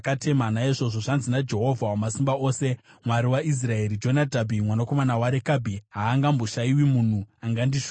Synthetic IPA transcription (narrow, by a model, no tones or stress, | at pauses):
kate̞manaiʐo̞ʐoʐanzinad͡ʒe̞ɦo̞vʱawamasimbao̞ːse̞mwaɾiwais̬rae̞ɾid͡ʒo̞natabʱimwanako̞manawaɾekabʱiɦaːŋɡambo̞ʃaiwimun̤uaŋɡandiʂu̥